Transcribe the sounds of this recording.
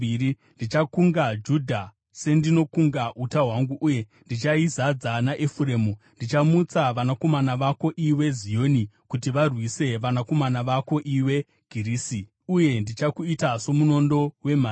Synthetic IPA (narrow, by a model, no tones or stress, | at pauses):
iɾi | ndit͡ʃakuŋɡad͡ʒudʱa | se̞ndino̞kuŋɡautaɦwaŋɡuʔːje̞ | ndit͡ʃaizad͡zanaʔefure̞ːmu | ndit͡ʃamut͡saʋanako̞manaʋako̞ʔiwe̞zijo̞nikutiʋarwise̞ʋanako̞manaʋako̞ʔiwe̞ | ɡ̥ʱiɾiːsi | uje̞ndit͡ʃakuitaso̞muno̞ndo̞we̞maː